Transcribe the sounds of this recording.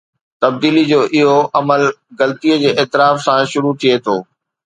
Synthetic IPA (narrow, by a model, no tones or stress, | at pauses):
t̪ɐb̚d̪iːlid͡ʑoːʔɪɦoʔɐməlɣɐlt̪iəd͡ʑeːʔɛːt̪ɪɾaːfsãʃʊɾut̪ʰiet̪ʰoː